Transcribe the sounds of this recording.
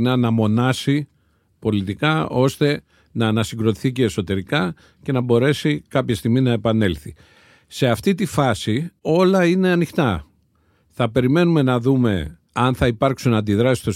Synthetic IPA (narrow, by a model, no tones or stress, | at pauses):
nɐnɐmo̞nɐsi | po̞lit̪ikɐo̞st̪e̞ | nɐːnɐsiŋɡɾo̞t̪i̥θice̞ːso̞t̪e̞ɾikɐ | ce̞nɐbo̞ɾe̞sikɐpçest̪iɣminɐepɐne̞lθi | se̞ɐft̪it̪ifɐsio̞lɐine̞ɐnixt̪ɐ | θɐpe̞ɾime̞nume̞nɐðume̞ | ɐnθɐipɐɾksunɐnd̪iðɾɐsi̥st̪os